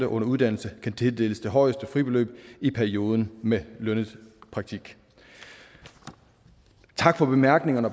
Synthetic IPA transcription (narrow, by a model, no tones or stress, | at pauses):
d̥ɐʔɔ̽nɐuð̞ˠd̥æn̰l̩səkʰænt͡sʰe̝ld̥e̝̰ːləsd̥e̝ɦɒ̽ɪəsd̥əfʁib̥e̝lø̰ːb̥ipʰæɐio̝ːð̞ˠn̩melœnəð̩ˠpʰʁɑ̈ɡ̥̚t͡sʰiɡ̥ | t͡sʰɑ̈ɡ̥fɒ̽b̥e̝mæɐɡ̥ne̝ŋɐnəɒ̽b